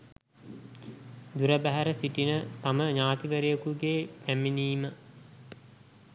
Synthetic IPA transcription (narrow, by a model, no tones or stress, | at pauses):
d̪uɾəbæɦæɾəsiʈinət̪aməɲaːt̪iʋəɾijəkuɡeːpæminiːmə